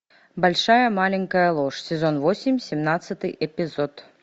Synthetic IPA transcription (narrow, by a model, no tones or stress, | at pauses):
balʲʂajɐmalʲɪŋʲkɐjɐlˠoʂsʲɛzonvosʲɪmʲsʲɛmnat̪sːɨt̪ɨjʔɛpʲizot̪